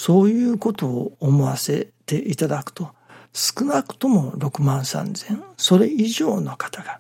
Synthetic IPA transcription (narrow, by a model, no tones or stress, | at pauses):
so̞ːjɯ̟ːko̞t̪o̞ːmo̞βase̞t̪e̞ʔit̪ad̪akɯ̟̥t̪o̞ | sɨ̥kɯ̟nakɯ̟̥t̪o̞mo̞ɾo̞kɯ̟mãñsã̰nzẽ̞ɴ̃so̞ɾe̞iʑo̞ːno̞kḁt̪aɡ̥a